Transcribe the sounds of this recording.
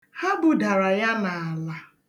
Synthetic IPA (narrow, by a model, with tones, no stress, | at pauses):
ha˦bʊ˨da˨ɾa˨ja˦na˨a˨la˨